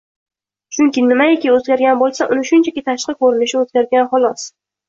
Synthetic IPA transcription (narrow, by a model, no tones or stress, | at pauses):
t͡ʃʰʊŋkʲɪnɪmaekʲɪozɡʲaɾɡʲanbolˠsaʔʊnɪʃʊnt͡ʃʰakʲɪt̪ʰaʃqɨkʰɵɾɪnɪʃɪozɡʲaɾɡʲanχɒlˠɒs